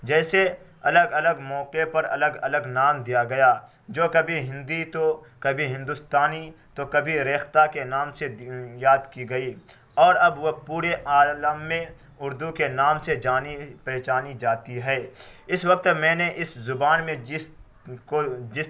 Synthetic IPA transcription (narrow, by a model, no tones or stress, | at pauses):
d͡ʒɛːse | ɐləɡɐləɡmɔːqepɐɾɐ̰ləɡɐ̰ləɡnaːmd̪ijaɡɐjaː | d͡ʒoːkɐbʱiɦɪ̃nd̪it̪okɐbʱiɦɪ̃nd̪ʊst̪aːnit̪okɐbʱiɾeːxt̪akenaːmsejaːd̪kiɡɐi | ɔːɾɐbʋopuːɾeʔaːləmːẽ | ʊɾd̪ukenaːmsed͡ʒaːnipɛːt͡ʃaːnid͡ʒaːt̪iɦɛːɪswɐk̚t̪mɛ̃ːneʔɪszʊbaːnmẽ | kod͡ʒɪ